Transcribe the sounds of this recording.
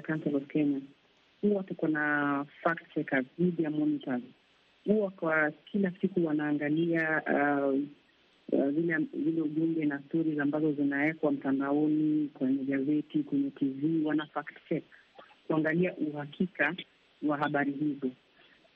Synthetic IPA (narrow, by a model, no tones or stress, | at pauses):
akansɛlɔvkɛɲa | huwawatakanafaktt͡ʃɛkaðiɗijamɔnitaz | huwakwakʰilasikuwanaːŋɡalia | zilɛzilɛuɓuŋɡɛnastɔɾizambazɔzinaɛkwam̩tandaɔnikwɛɲɛɡazɛtikwɛɲɛtʰiviːwanafaktt͡ʃɛk | kuaŋɡaliaʔuɦakʰika | waɦaɓaɾiɦizɔ